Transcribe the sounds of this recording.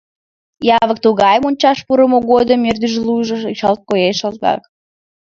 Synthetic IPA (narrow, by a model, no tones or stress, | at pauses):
jɑβək̚t̪uɣɑjmonʲt͡ɕɑʃpuɾəmoɣod̪əmːerd̪yʒlujʒot͡ɕɑlt̪̚kojeʃəlt̪̚ɣɑ̰k